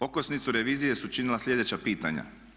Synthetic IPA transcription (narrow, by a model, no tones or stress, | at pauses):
o̞kosnit̪suɾeʋiːzije̞sut͡ʃinilaslʎʲe̞d̪e̞t͡ɕapiːt̪a̰ɲa̰